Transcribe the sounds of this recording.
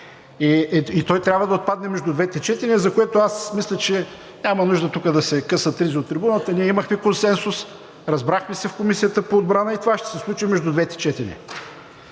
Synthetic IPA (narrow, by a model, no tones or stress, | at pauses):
iit̪ɔjt̪ɾʲabvəd̪ɐot̪̚pad̪nɛmɛʒd̪ud̪vɛt̪ɛt͡ʃɛt̪ɛnɛzɐkoɛt̪oasmislʲɛt͡ʃɛ | nʲamɐnuʒd̪ət̪ukəd̪ɐsɛkɤsət̪ːɾiziot̪ːɾɛbunət̪əniɛiməxmɛkonsɛnsʊs | ɾɐzbɾaxmɛsɛfkomisijət̪əpoːd̪bɾanəit̪ovaʃt̪ɛ̥sɛslˠut͡ʃimɛʒd̪ud̪vɛt̪ɛ̥t͡ʃɛt̪ɛnʲɛ̰